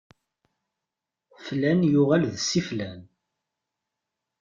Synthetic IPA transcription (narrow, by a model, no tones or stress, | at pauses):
flænjʊʁælðsːiflæn